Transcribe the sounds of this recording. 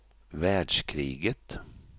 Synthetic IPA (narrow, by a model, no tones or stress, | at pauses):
ʋæːɖʂkʰɾḭːɡət̪